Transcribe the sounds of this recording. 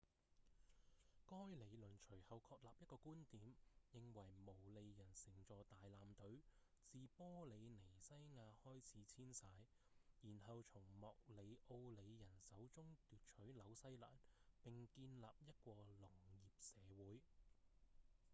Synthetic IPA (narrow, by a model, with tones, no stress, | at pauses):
kɔː˥jle˨˧jlɵ˨˩nt͡ʃʰɵ˨˩ɥhɐ˨wkʰɔː˧k̚laː˨p̚jɐ˥t̚kɔː˧kuː˥nt̪iː˨˥mjɪ˨ŋwɐ˨˩jmo˨˩wle˨˧jjɐ˨˩nsɪ˨˩ŋt͡sɔː˨˧t̪aː˨jlaː˨˧mt̪ɵ˨˥ɥ | t͡siː˨pɔː˥le˨˧jne˨˩jsɐ˥jŋaː˨˧hɔː˥jt͡sʰiː˨˥t͡sʰiː˥nsaː˧j | jiː˨˩nɦɐ˨˧wt͡sʰʊ˨˩ŋmɔː˨k̚le˨˧jʔo˧wle˨˧jjɐ˨˩nsɐ˨˥wt͡sʊ˥ŋt̪yː˨t̚t͡ʃʰɵ˨˥ɥlɐ˨˥wsɐ˥jla̰ː˨˩npɪ˨ŋkiː˧nlaː˨p̚jɐ˥t̚kʷɔː˧lʊ˨˩ŋjiː˨p̚sɛː˨˧wuː˨˥j